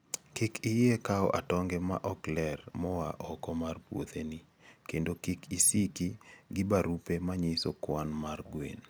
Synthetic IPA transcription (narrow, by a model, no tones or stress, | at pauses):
kɪkʰɪjekaɔ̰ʔatɔŋɡɛma̰ʔɔklɛrmɔwaʔɔkɔmarpwo̰t̪eni | kendokɪkʰisikiɡɪbaɾupemaɲisokwanmarɡwḛn